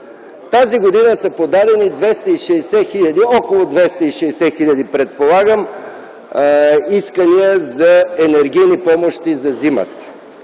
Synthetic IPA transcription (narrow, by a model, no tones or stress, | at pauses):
t̪aziɡod̪inəsɐpod̪ad̪ɛnid̪vɛst̪əiʃɛːsɛxiʎʲɐd̪iɔkolˠod̪vɛst̪əiʃɛːsɛxiʎʲɐd̪ipɾɛt̪̚polˠaɡəm | iskəniəzɐɛnɛɾɡ̟ijnipɔmoʃt̪izɐzimə̰t̪